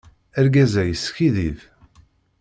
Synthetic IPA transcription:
æɾɡæzæjəsːçiðiv

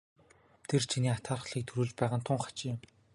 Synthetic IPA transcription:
t̪ʰert͡ɕʰiniːat̪χaːrχ̆ɮiːk̚t̪ʰɵɾuːɮt͡ɕpæːʁănt̪ʰʊɴχḁt͡ɕiːm

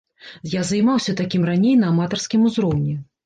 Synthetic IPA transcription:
jazɐjmawsʲɐt̪akʲimranʲejnɐːmat̪ɐrskʲimuzɾɔwnʲɛ

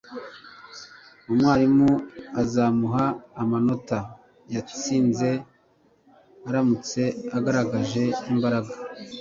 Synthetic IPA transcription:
umwaːɾimuazaːmuɦaːmano̞ta | jat͡siːnze̞ | aɾamut͡se̞aɡaɾaɡaʒe̞imbaɾaɡa

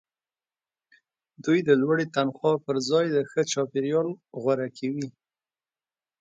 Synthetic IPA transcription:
d̪ujd̪əlwaɽet̪anxwɑpəɾzɑjd̪əxət͡ʃɑpeɾjɑlɣwaɾakʰawi

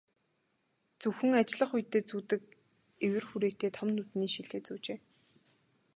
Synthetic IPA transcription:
t͡suxɘ̆ŋat͡ɕɪɮə̆χʊjt̪ːeːt͡suːt̪ɘ̆k̚ | ewɘ̆rxuɾeːt̪eːt̪ʰɔmnːut̪niːʃiɮeːt͡suːt͡ɕeː

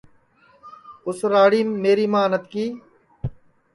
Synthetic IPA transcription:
ʊsɾaːɽiːmːeːɾiːmãːnət̪kiː

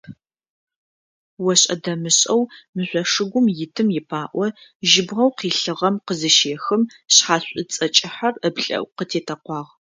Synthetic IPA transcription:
wɔɕʼɐ̰dɐmɨɕʼɐwmɨɕʷɔʂɨɡʷʊmjɪtʰɨmjɪpʰaːʔʷɔʒɪbʁɐwqiːɬɨʁɐmqəzɨʃeːxɨm | ɕħaːɕʷʼʊt͡sʼɐt͡ʃʼɪħɐrəbɬʼɐ̰wqətʰeːtʰɐqʷɑːʁ

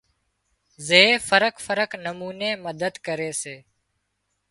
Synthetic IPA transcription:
zeːfəɾəkfəɾəknəmuːneːməd̪əd̪kəɾeːseː

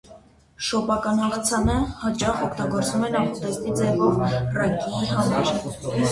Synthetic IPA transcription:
ʃɔpɑkɑnhɑʁɑt͡sʰɑnəhɑt͡ʃɑχɔkʰt̪ɑɡɔɾt͡svumɛnɑpɔt̪ɛst̪id͡zɛvɔvrɑkiɦɑmɑɾ

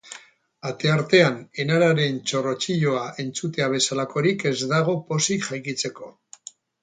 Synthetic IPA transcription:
at̪e̞aɾt̪e̞ane̞naɾaɾe̞nt͡ʃo̞ro̞t͡ʃiʎo̞aʔe̞nt͡sut̪e̞aβ̞e̞salako̞ɾike̞zd̪aɣ̞o̞po̞sikʝajkit͡se̞ko̞

